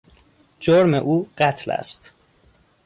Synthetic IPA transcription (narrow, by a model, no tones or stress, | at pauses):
d͡ʒoɾmḛʔuːɢæt̪ʰlæ̰st̪